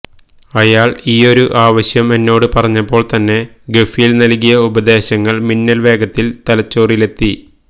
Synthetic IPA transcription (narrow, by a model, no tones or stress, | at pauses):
ɐjaːɭiːo̞ɾuʔaːʋɐɕjɐme̞nːo̞ːɽɨpɐrɐɲːɐpːo̞ːɭt̪ɐnːe̞ | ɡefijilnɐlkːijɐubɐd̪e̞ːɕɐŋːɐɭminːɐlʋe̞ːɡɐt̪ːilt̪ɐlɐt͡ɕːo̞ːrile̞t̪ːi